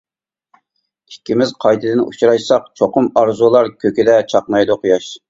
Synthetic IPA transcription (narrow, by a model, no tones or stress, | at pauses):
ikʲʰːimɪzqʰɑjd̪ɨd̪ɪnṵt͡ʃʰɾɑjsɑq̚t͡ʃʰoqʊmɑɾzulˠɑɾkʲʰøkʲɪd̪ɛt͡ʃʰɑqnɑjd̪ʊqʰujɑʃ